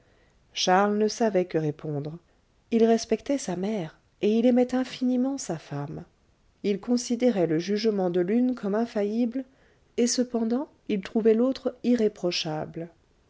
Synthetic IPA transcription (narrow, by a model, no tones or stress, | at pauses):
ʃaʁlnəsavɛkəʁepʰɔ̃d̪ʁ | ilʁɛspɛkt̪ɛsamɛʁ | eilemɛt̪ɛ̃finimɑ̃safam | ilkɔ̃sid̪eʁɛləʒyʒmɑ̃d̪əlynkʰɔmɛ̃fajibl | esəpɑ̃d̪ɑ̃ | ilt̪χuvɛlot̪χiʁepχɔʃabl